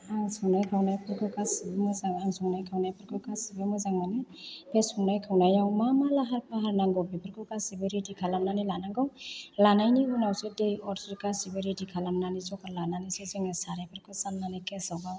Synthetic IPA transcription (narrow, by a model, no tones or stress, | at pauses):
aŋsɔŋnajkʰawnajpʰɯɾkʰɯkasibɯmɯzaŋaŋsɔŋnajkʰawnajpʰɯɾkʰɯkasibɯmɯzaŋmanɛpʰesɔŋnajkʰawnajɔŋmamalaɦaɾpʰaɦaɾnaŋɡɔbipʰɯɾkɯkasibɔɾidikʰalamnanilanaŋɡɔwlanajniunawsɯdejɔɾsɾikasibɔɾidikʰalamnanizɔkaɾlananisezeŋɛsaɾapʰɯɾkɯsanːanikɛsɔwɡaw